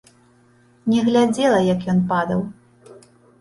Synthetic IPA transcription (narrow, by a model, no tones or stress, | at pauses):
nʲɛɣlʲad͡zʲɛlˠɐjɐkjɔnpad̪ɐw